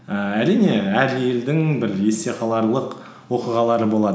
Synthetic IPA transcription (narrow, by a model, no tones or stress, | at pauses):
əæɾijne̞æɾje̞ld̪ɪŋbɪɾje̞st̪e̞qʰɑlˠɑɾlˠəq | wo̞qiʁɑlˠɑɾəbo̞lˠɑd̪ə